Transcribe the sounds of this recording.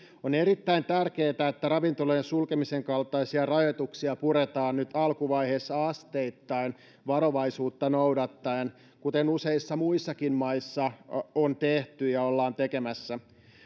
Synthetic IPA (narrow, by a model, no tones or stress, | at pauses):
oneɾit̪ːæint̪ærkeːt̪æet̪ːærɑʋint̪olojensulkemiseŋkɑlt̪ˑɑisiɑrɑjot̪uksiɑpuɾet̪ɑːnnyt̪ɑlkuʋɑjheːsːɑɑst̪eit̪ːɑin | ʋɑɾoʋɑisuːt̪ːɑnowdɑt̪ːɑen | kut̪enuseisːɑmuisːɑkinmɑisːɑont̪eht̪yjɑolːɑːnt̪ekemæsːæ